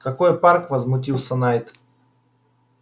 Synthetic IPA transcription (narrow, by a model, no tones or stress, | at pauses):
kɐkojparkvəzmʊt̬ʲilˠsʲənajt̪